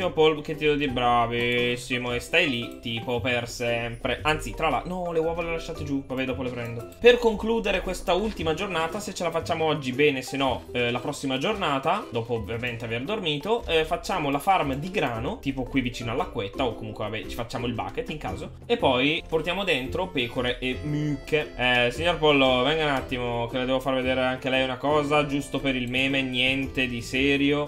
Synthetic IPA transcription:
imopɔlk̟et̪ːid̪ɛd̪iɾbɾavisimoest̪ajlitt̪iːpopersɛmpɾeʔant̪sit̪ɾala̰nɔlewɔvolelaʃːaːt̪ed͡ʒuvabɛd̪ɔːpolepɾɛnd̪o | perkoŋkluːd̪eɾekwest̪ault̪imad͡ʒornaːt̪aset͡ʃːelafat͡ʃːaːmoɔd͡ʒːibɛːnesenːɔlapɾɔsːimad͡ʒornaːt̪ad̪ɔːpoːvjament̪eaverd̪ormiːt̪ofat͡ʃːaːmolafarmd̪iɡɾaːnot̪iːpokwivːit͡ʃiːnoalːakːwet̪ːaokːomuŋkwevabɛt͡ʃifat͡ʃːaːmoilba̰ːket̪ːiŋka̰ːzo | epːɔjport̪jaːmod̪ent̪ɾopɛːkoɾeʔemykeɛsiɲːorpɔlːovɛŋɡaunat̪ːimok̟eled̪ɛːvofarved̪eːɾeaŋk̟elɛjunakɔːzad͡ʒust̪opeɾilmɛːmenjɛnt̪ed̪isɛːɾjo

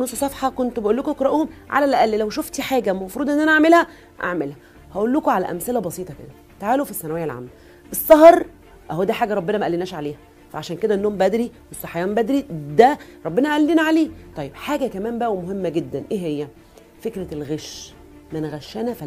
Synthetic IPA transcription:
nosˤːsˤɑfħɑkont̪beʔolːokoʔekɾˤɑʔoːhomʕa̰lælʔæʔælːlæwʃoft̪iħaːɡæmɑfɾuːd̪ʔenːʔænæʔaʕmelhæ | ʔa̰ʕmelhæ | hæʔolːokoʕalæ̰ʔæ̰mselæbɑsˤiːt̪ˤɑkḛd̪æn | t̪aʕaːlofisːænæwæjːælʕa̰mːæ | ʔesˤːɑɦɾˤ | ʔæhod̪æːħaːɡæɾˤɑbːenæmæʔælːinæːʃʕaleːhæ | fæ̰ʕaʃæːnked̪æʔenːohmbæd̪ɾiwesˤːɑħajæːmbæd̪ɾid̪æɾˤɑbːenæʔæʔælːinæʕaleːt̪ˤɑjːebħaːɡækæmæːmbæʔæwemoɦemːæɡed̪ːænʔeːɦejːæ | fekɾælɣeʃ | mænɣæʃːænæfæ

